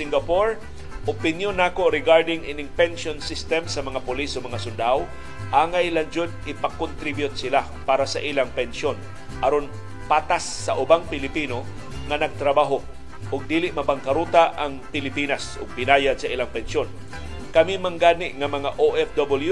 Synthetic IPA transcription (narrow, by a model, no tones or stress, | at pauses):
ɪŋɡɐpoɹ | ʔʊpɪnjonːaːkoɾɪɡaɹd̪ɪŋʔinɪŋpɛnʃonsist̪ɛmsɐmɐŋapʊlisomɐŋasʊnd̪aw | ʔaːŋajland͡ʒʊd̪̚ɪpɐkːʊnt̪ɾibjʊt̪̚sɪla | paːɾasɐʔilaŋpɛnʃon | ʔɐɾon | paːt̪asːɐʔʊbaŋpɪlɪpiːno | ŋɐnɐɡ̚t̪ɾɐbaːɦo | ʔʊɡ̚d̪iːlɪʔmɐbaŋkɐɾuːt̪aʔɐŋpɪlɪpiːnasʊ̰ɡ̚bɪnaːjad̪̚sɐʔilaŋpɛnʃon | kɐmimɐŋɡaːnɪʔŋɐmɐŋaʔoʔɛfd̪obɪlju